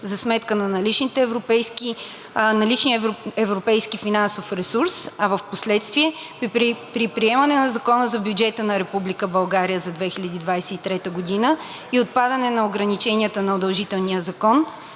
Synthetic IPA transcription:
zɐsmɛt̪kənɐnɐlit͡ʃnit̪ɛvɾopɛjski | nɐlit͡ʃniɛvɾopɛjskifinansofɾɛsuɾsɐvɐfposlɛt̪st̪viɛ | pɾipɾiɛmɐnɛnɐzɐkɔnəzɐbjʊd͡ʒɛt̪ənɐɾɛpublikəbɐlˠɡaɾijəzɐd̪vɛxilʲɐd̪id̪vajsɛit̪ɾɛt̪əɡod̪inə | iot̪̚pad̪ɐnɛnɐoɡɾɐnit͡ʃɛniət̪ənɐod̪ɐlˠʒit̪ɛlˠnijəzɐkɔn

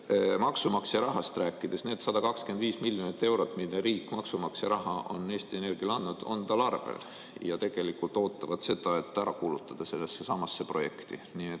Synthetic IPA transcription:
mɑksumɑksɑɾɑɦɑst̪ræːkːˑid̪̥e̞sne̞ːd̪̥sɑd̪ɑkɑkske̞nd̪viːsmiljonit̪ːe̞wɾo̞t̪ːˑmilːeɾiːkːˑmɑksumɑksɑɾɑɦɑʔo̞̰nːe̞ːst̪ie̞ne̞rɡ̥iɑlɑnd̪nud̪̥o̞̰nt̪ɑlɑrvḛl | jɑt̪e̞ɡ̥e̞likːult̪o̞ːt̪ːˑɑvɑd̪̥se̞d̪̥ɑe̞t̪ːˑæɾɑkuːlut̪ˑːɑd̪̥ɑse̞lːesːesɑmɑsːe̞pro̞je̞kt̪iniet̪ː

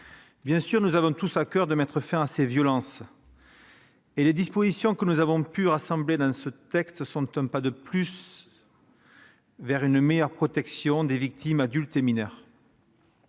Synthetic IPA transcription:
bjɛ̃syʁnuzavɔ̃t̪usakœʁd̪əmɛt̪χəfɛ̃asevjɔlɑ̃s | eled̪ispozisjɔ̃kənuzavɔ̃pyʁasɑ̃bled̪ɑ̃sət̪ɛkst̪sɔ̃t̪ɛ̃pad̪əplys | vɛʁynmejœʁpχɔt̪ɛksjɔ̃d̪evik̚t̪imad̪ylt̪eminɛʁ

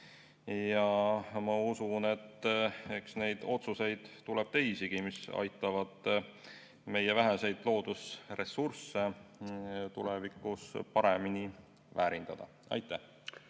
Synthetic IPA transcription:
jɑmɑusune̞t̪ːe̞ksne̞jd̪̥o̞t̪suse̞jd̪̥t̪ulɛb̥̚t̪e̞jsiɡ̥imisɑ̰jt̪ːˑɑvɑd̪̥ | me̞jevæɦese̞jd̪̥lo̞ːd̪̥usre̞sursːe̞ | t̪ulevikːˑuspɑɾe̞mini | væːɾind̪̥ɑd̪̥ɑ̰ | ɑ̰jt̪ːˑæh

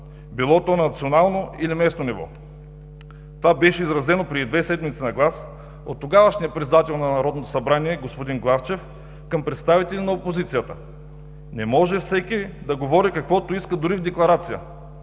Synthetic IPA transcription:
bilˠɔt̪oɛnnɐt̪sionalˠnoilimɛsnonivɔ̰ | t̪ovabɛʃɛizɾɐzɛnopɾɛd̪id̪vɛsɛd̪mit̪sinɐɡlˠas | o̰t̪ːoɡavəʃnʲiɐpɾɛt̪sɛd̪at̪ɛlˠnɐnɐɾɔd̪not̪o̥sɐbɾaniɛɡospod̪inɡlˠaft͡ʃɛf | kəmpɾɛt̪st̪avit̪ɛlʲinɐopozit̪sijət̪ə | nɛmɔʒɛfsɛkid̪ɐɡovɔɾikɐkvɔt̪oiskəd̪ʊɾivd̪ɛklˠɐɾat̪sijə̰

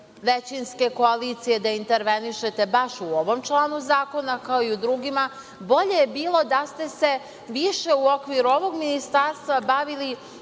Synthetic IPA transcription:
ʋet͡ɕinske̞ko̞aliːt̪sije̞d̪aint̪eɾʋe̞niʃe̞t̪e̞baʃuoʋo̞mt͡ʃlˠaːnuzaːko̞nakaoiud̪ɾuɡima | bo̞ʎe̞jebiːlˠo̞d̪ast̪e̞se̞ | ʋiʃe̞uo̞kʋiɾuo̞ʋo̞ɡminist̪aɾst̪ʋabaʋili

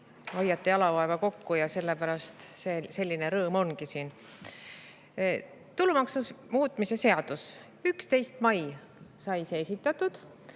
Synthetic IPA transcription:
hɑjːɑt̪ːˑeɑlɑvɑe̞vɑko̞kːujɑse̞lːe̞pæɾɑst̪sese̞lʲːine̞ɾɤːmo̞nɡisiːn | t̪ulumɑksumuːt̪ˑmise̞se̞ɑd̪̥us | ykst̪e̞jst̪mɑj | sɑjsesʲit̪ːˑɑt̪ːˑud̪̥

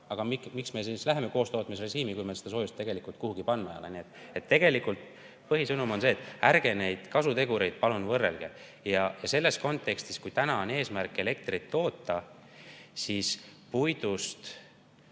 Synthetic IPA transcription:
ɑɡ̥ɑmikmiksmesislæɦe̞me̞ko̞ːst̪o̞ːt̪ˑmisre̞ʒiːmikujmesed̪ɑso̞ːjust̪ːe̞ɡe̞likˑult̪̚kuhuɡ̥ipɑnmejo̰lḛniet̪ːˑet̪ːe̞ɡe̞likult̪ | pɤɦisɤnumo̞nse̞ːt̪ːˑærɡ̥e̞ne̞jd̪̥kɑsut̪e̞ɡuɾe̞jd̪̥̚pɑlunvɤrːe̞̰lɡ̥e̞̰ | jɑjɑse̞lːe̞sko̞nt̪ˑːe̞kst̪iskujt̪ænɑone̞ːsmærkːˑe̞le̞k̚t̪rit̪ːo̞ːt̪ːˑɑ | sispujd̪̥ust̪

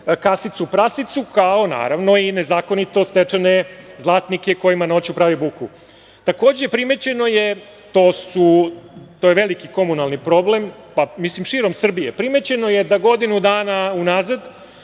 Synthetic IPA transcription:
kasit̪supɾasit̪sukao̞na̰ːɾaʋno̞ine̞zaːkonit̪o̞st̪et͡ʂenezlˠaːt̪nikeko̞jimano̞t͡ɕupɾaːʋibuku | t̪ako̞ːd͡ʑepɾime̞t͡ɕe̞no̞je̞ | t̪o̞ːsut̪ojeʋelikiko̞munalˠnipɾo̞ble̞mpamislimʃiɾo̞msr̩bijepɾime̞t͡ɕe̞no̞je̞d̪aɡo̞d̪inud̪aːnaunaːzad̪

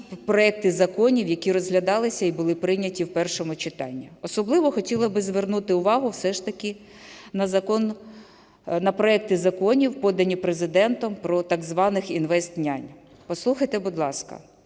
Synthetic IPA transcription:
pɾɔɛk̚t̪ɪzɐkɔnʲiwjɐkʲiɾɔzɦlʲɐd̪ɑlˠɪsʲɐibʊlˠɪpɾɪnʲɐtʲiwpɛrʃɔmʊt͡ʃɪt̪ɑ̰nʲːiɔsɔblˠɪʋɔxɔtʲilˠɐbɪzʋernut̪ɪʊʋɑɦʊwsɛʃt̪ɐkʲɪ | nɐzɐkɔn | nɐpɾɔɛk̚t̪ɪzɐkɔnʲiwpɔd̪ɐnʲipɾezɪd̪ɛnt̪ɔmpɾɔt̪ɑɡzʋɑnɪxinʋɛst̪̚nʲanʲ | pɔslˠuxɐjt̪ebʊd̪lˠɑskɐ̰

